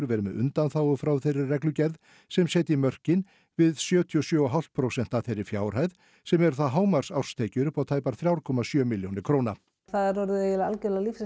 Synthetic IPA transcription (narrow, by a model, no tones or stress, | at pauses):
ɾvɛːɾʏmɛʔʏ̰nt̪anθawʏfɾawθɛrɪrrɛklʏcɛɾð | sɛmsɛːt̪ɪimœr̥cɪn | vɪðsjœːt̪ʰiɔsjœːɔɦal̥t̪̚pʰɾowsɛn̥t̪aθejrɪɾ̥fjaːwr̥hajð | sɛmɛɾθaðɦaːwmaɾ̥sawr̥st̪ʰeːjcʏɾʏpawt̪ʰaːjpaɾ̥θɾjawɾkʰɔmasjœːmɪljownɪɾkʰɾowna | θaðɛɾɔɾɪðjɛlalcːlalifs